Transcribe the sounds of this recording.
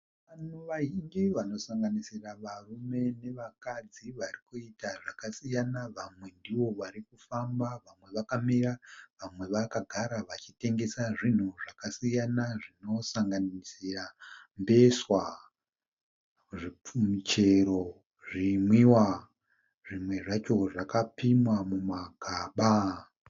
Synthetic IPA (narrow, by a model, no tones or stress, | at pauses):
ʋanuʋaɦiŋɡiʋano̞saŋɡanisiraʋarume̞ne̞ʋakad͡ziʋarikuitaʐakasijanaʋamwe̞ndiwo̞ʋaɾikufambaʋamwe̞ʋakamiraʋamwe̞ʋakaɡʱaɾaʋat͡ʃite̞ŋɡe̞saʐin̤uʐakasijanaʐino̞saŋɡanisirambe̞swa | ʐimit͡ʃe̞ɾo̞ | ʐimwiwa | ʐimwe̞ʐat͡ʃo̞ʐakapimwamumaɡʱaːɓa